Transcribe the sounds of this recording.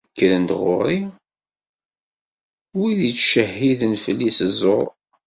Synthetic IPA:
kːlənd̪ʁʊ̰ɾˤi | wiðit͡sːʃəhːiðənfəlːisəzˤo̰ɾˤ

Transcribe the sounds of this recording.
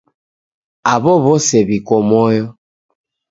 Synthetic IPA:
aβɔβɔsɛbikɔmɔjɔ

